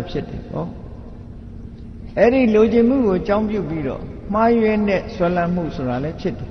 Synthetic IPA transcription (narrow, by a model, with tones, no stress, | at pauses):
pʰjɪ˦tɛ̰˨pɔ̰˦˨ | ʔɛ˦ɾi˦˨lo˨d͡ʑɪ̃˨m̥ṵ˦˨ɡo˨ʔət͡ɕã˦ʊ̃mpjṵ˦˨pi˦ɾɔ̰˦˨ | m̥a˦jwɛ˦nɛ˦˨swɛ˦lã˦m̥ṵ˦˨sʰo˨ɾa˨lɛ˦pʰjɪ˦tɛ˨